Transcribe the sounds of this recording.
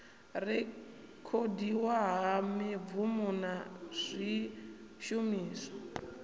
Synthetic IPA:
rɛ | kʰodiwaɦamivumunaz̥ʷi | ʃumiːsɔ̥

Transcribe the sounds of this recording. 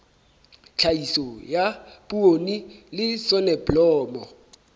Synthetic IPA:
t͡ɬʰaisɔjapuonilɪsɔnɛblɔːmɔ

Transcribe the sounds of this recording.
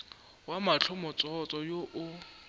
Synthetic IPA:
wamat͡ɬʰɔmɔt͡sʼɔt͡sʼɔjoʔʊ

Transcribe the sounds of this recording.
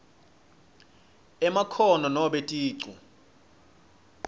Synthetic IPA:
ɛmakʰɔnɔnɔɓɛtʼiːǀu

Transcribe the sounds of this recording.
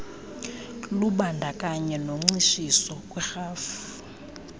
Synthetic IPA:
luɓandʱakʼaɲɛnoŋ͡ǀiʃisɔkʼwɛxaːfu

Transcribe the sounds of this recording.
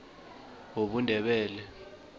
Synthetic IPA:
oɓundʱɛɓɛːlɛ

